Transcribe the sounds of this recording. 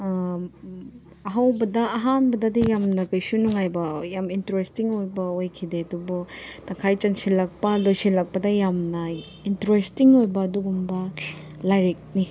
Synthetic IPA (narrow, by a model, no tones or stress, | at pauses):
ɐɦawbɐdɐːɦanbɐdɐdijamnɐkɐjsunuŋajbɐjamintɾestiŋojbɐojkʰideɐdubɔtɐŋkʰajt͡ʃɐnsilɐk̚pɐlojsilɐk̚pɐdɐjamnɐ | intɾestiŋojbɐːduɡumbɐ | lajɾek̚ni